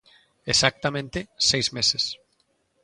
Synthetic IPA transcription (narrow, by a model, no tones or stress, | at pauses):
esak̚t̪amẽnt̪esejzmeses